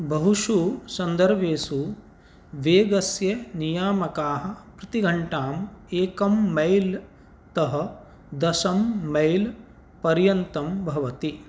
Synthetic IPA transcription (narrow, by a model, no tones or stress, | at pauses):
bʱɐɦuʃuːsɐnd̪ɐɾʋeːsu | ʋeːɡɐsjɐnijaːmɐkaːɦɐ̆pɾɐt̪iɡʱɐɳʈaːmeːkɐmːɐjl | t̪ɐɦɐ̆ | d̪ɐʃɐmːɐjl | pɐɾjɐnt̪ɐmbʱɐʋɐt̪i